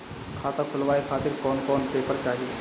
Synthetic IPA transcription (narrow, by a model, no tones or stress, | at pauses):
kʰaːt̪ãkʰʊlʋaːekʰaːt̪ɪɾkɔːnkɔːnpeːpəɾt͡ʃaːɦie